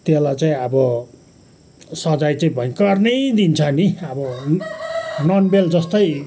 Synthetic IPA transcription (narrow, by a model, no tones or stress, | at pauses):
t̪elat͡saĩʌbʌ | sʌd͡zajt͡saĩbʱʌkʌrnʌjd̪int͡sʰʌniʌbʌ | nʌnbeld͡zʌst̪ʌj